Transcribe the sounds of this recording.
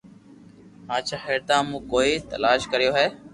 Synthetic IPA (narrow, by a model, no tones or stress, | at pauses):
ɦãːt͡ʃʰaːɦeːɽt̪ãːmũːkoːiːt̪ə̰laːʃkəɾijoːɦɛː